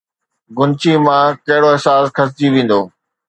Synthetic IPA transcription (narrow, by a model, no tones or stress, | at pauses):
ɡʊnt͡ɕimãkɐɦɪɽoɪɦsaːskʰɐs̬d͡ʑiʋĩːn̆d̪oː